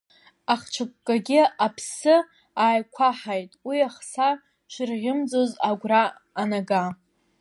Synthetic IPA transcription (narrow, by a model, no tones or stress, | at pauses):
aχt͡ʃʷʰɨk̚ʷʼkʼaɡʲɪapʰsɨ | aːjkʷʰaħajtʼwiaχsa | ʃʷɪrʁʲɪmd͡zozaɡʷraː | naɡa